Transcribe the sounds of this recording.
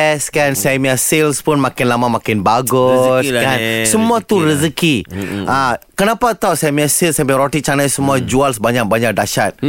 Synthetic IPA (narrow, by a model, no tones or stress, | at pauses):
skansamiasilspʊnmãkɪnlamamãkɪnbaɡʊskansəmuat̪uɾizəkiakənapat̪ausamiasilsamiɾɔtit͡ʃanajsəmuad͡ʒualsbaɲak̚baɲak̚daʃat̪̚